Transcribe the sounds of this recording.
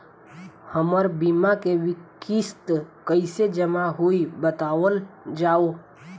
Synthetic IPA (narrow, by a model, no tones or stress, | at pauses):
həməɾbimakeʋɪkist̪kəɪsed͡ʒəmaɦoibət̪aːʋəld͡ʒaːo